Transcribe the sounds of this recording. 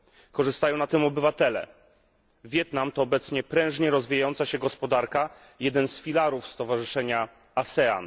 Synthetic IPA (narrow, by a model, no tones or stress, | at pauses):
kɔʐɘst̪ajɔ̃w̃nat̪ɘmɔbɘvat̪ɛlɛ̰ | vʲjɛt̪namt̪ɔːbɛt̪sɲɛpɾɛ̃w̃ʐɲɛɾɔzvʲijajɔnt̪saɕɛɡɔspɔd̪aɾka | jɛd̪ɛnsfʲilaɾufst̪ɔvaʐɘʂɛɲa | asɛa̰n